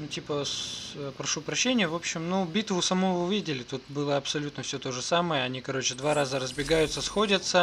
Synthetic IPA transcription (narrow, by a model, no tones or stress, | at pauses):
nutʲipəspɾɐʂupɾɐɕːenʲɪjəvo̞pɕːɪmnubʲit̪vʊsɐmuʊvʲidʲɪlʲɪt̪ut̪̚bɨlˠəɐpsɐlʲut̪nəfsʲɵt̪o̞ʐɨsaməjəɐnʲikɐɾo̞t͡ɕɪd̪vaɾazəɾəzbʲɪɡajʊt̪səsxo̞dʲət̪sə